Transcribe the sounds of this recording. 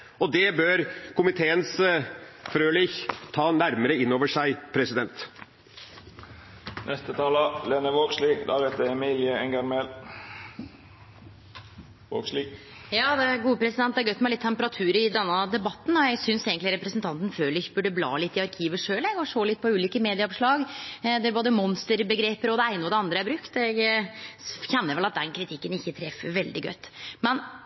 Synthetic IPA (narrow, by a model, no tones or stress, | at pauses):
ɔd̪ɛbøɾkʰʊmɪt̪ʰeːəns | fɾøːlɪçt̪ʰɑːnæɾməɾəɪnːoːʋəʂæɪpʰɾɛsɪd̪ɛnt̪ | nʔɛst̪ət̪ʰɑːləlenəʋoːɡslid̪ɑ̰ːɾɛt̪əɛmiːlɪəɛŋɡɑɾmel | ʋo̰ːɡsli | jɑːd̪ɛæɾɡuːəpʰɾɛsɪd̪ɛn̚d̪ɛæɾɡœʏt̪ːmɛlɪt̪ʰːɛmpəɾɑt̪ʰʉːɾɪd̪ɛnːəd̪ɛbɑt̪ːn̩ɔjæɪsʏnseːɡən̩t̪lɪɾɛpɾəsnt̪ʰɑnt̪ən̩føːlɪçəbʉɖəblɑ̰ːlɪt̪ːɪɑɾkʰiːʋəʂøːlɛɡɔʂoːlɪt̪̚ːpʰɔʉːliːkəmeːd̪ɪəɔʋʂɭɑːɡd̪ɛæɾboːd̪əmɔnst̪əɾbəɡɾeːpəɾɔd̪ɛæɪnəɔd̪ɛɑnd̪ɾəæɾbɾʉkt̪ɛɡ | çɛnːəɾʋɛlɑt̪̚d̪ɛnkʰɾɪt̪ʰɪkːənɪçːət̪ʰɾɛfːəʋɛld̪ɪɡœ̰ʏt̪ːmɛn